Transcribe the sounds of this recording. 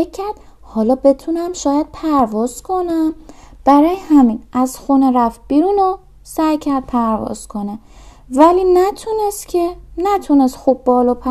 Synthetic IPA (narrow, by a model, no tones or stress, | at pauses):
ecʰːæɾd̪̥̚ | hɒːlɒːbe̞t̪ʰunæmʃɒːjæd̪̥̚pʰæɾvɒːz̥kʰo̞næmb̥æɾɒːjehæminæz̥xuneɾæft̪̚b̥iɾuːno | sæjcʰæɾd̪̥̚pʰæɾvɒ̰z̥kʰone | væliːnæt̪ʰunest̪cʲʰenæt̪ʰunest̪xubbɒːlɒpʰæ